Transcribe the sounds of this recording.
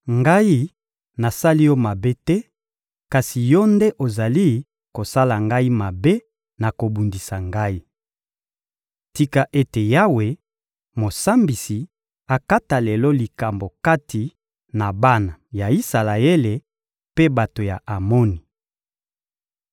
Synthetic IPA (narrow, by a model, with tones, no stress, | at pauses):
ŋɡa˦ji˦ | na˨sa˦li˦jɔ˦ma˨be˦tɛ˦ | ka˨si˨jɔ˦nde˦ʔo˨za˨li˦ | ko˨sa˦la˨ŋɡa˦i˦ma˨be˦ | na˨ko˨bu˨ndi˨sa˨ŋɡa˦i˦ | ti˦ka˨ʔe˦te˨ja˦we˨ | mo˨sa˦mbi˨si˨ | a˨ka˦ta˨lɛ˨lɔ˦li˨ka˨mbo˨ka˦tʰi˨ | na˨ba˦na˨ja˨i˦sa˨la˨e˦le˨ | pe˦ba˨to˨ja̰˨ʔa˨mɔ˦ni˨